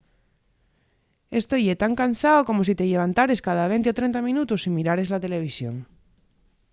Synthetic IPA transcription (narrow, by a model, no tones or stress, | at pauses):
est̪o̞jet̪aŋkansaoko̞mos̬it̪eʎe̞βant̪aɾe̞skað̞aβ̞e̞nt̪eot̪ɾe̞nt̪amĩnut̪usimiɾaɾe̞zlat̪e̞le̞β̞isjo̰ŋ